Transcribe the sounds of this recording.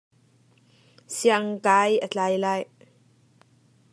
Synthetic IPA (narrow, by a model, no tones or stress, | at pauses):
siaŋkajʔət͡ɬajlaːj